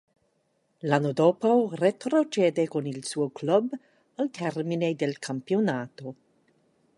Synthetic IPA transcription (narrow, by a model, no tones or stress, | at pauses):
lanod̪oːporet̪ɾot͡ʃeːd̪ekonilsuːoklɔb | alt̪ʰɛrmined̪elkʰampionaːt̪o